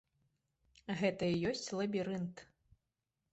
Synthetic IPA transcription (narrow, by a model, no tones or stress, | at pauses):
ɣɛt̪ɐijɔsʲt͡sʲlˠɐbʲiɾɨnt̪